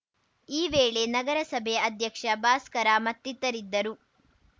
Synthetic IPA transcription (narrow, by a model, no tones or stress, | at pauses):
iːʋeːɭe̞nɐɡɐɾɐsɐbʱeɐd̪ʱjɐkʂɐbaːskɐɾaːmɐt̪ːit̪ːɐɾid̪ːɐɾu